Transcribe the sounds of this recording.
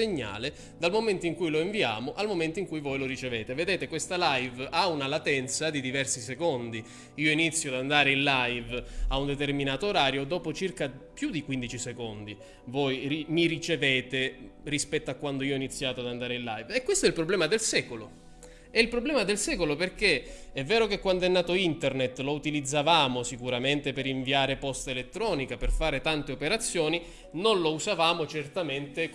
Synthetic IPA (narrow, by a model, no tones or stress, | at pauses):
eɲːa̰ːle | d̪almoment̪oiŋkujloiɱvia̰ːmoʔalmoment̪oiŋkujvojloɾit͡ʃeveːt̪eved̪eːt̪ekwest̪alajvaunalat̪ɛnt̪sad̪id̪ivɛrsisekond̪i | iːoinit̪sːjoad̪and̪aːɾeinllajvaund̪et̪erminaːt̪oːɾaːɾjod̪ɔːpot͡ʃirkapjud̪ikwind̪it͡ʃisekond̪i | vojrimirit͡ʃeveːt̪erispɛt̪ːoakːwand̪oiːoinit̪sːjaːt̪oad̪and̪aːɾeilːajvɛkwest̪oɛilpɾoblɛːmad̪elsɛːkolo̰ | ɛilpɾoblɛːmad̪elsɛːkoloperk̟eɛvːɛːɾokekːwand̪oɛnːaːt̪oint̪ernet̪ːlout̪ilid̪zːavaːmosikuɾament̪epeɾiɱviaːɾepɔst̪elet̪ːɾɔːnikaperfaːɾet̪ant̪eopeɾat̪sːjɔːni | nonlouzavaːmot͡ʃert̪ament̪e